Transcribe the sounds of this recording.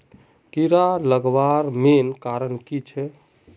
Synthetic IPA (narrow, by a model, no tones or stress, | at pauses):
kiɾaləɡʋaɾmenkaɾənkit͡ʃʰɛ